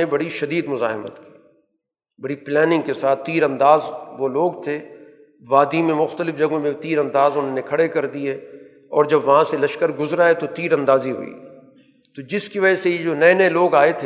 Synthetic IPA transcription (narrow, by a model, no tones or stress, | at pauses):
ebɐɽiʃɐd̪iːd̪mʊza̰ːɦmə̰t̪ki̥ː | bɐɽiplɛːnɪ̃ŋɡkesaːt̪ʰːiːɾɐ̃nd̪aːzʋoloːɡt̪ʰe | ʋaːd̪imẽmʊxt̪əlɪfd͡ʒɐɡõmẽt̪iːɾɐ̃nd̪aːzʊnɦõnekʰɐɽekɐɾd̪ie | ɔːɾd͡ʒɐbʋɐɦãselɐʃkəɾɡʊzɾaɦɛt̪ot̪iːɾɐ̃nd̪aːziɦʊ̰ḭ | t̪od͡ʒɪskiʋɐd͡ʒəsejed͡ʒoːnɐenɐeloːɡaːet̪ʰe